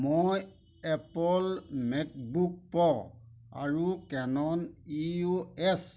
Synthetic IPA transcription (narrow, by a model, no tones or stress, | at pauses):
moj | ɛpɔlmɛk̚buk̚pɔ | a̰ɹukɛnɔnioɛs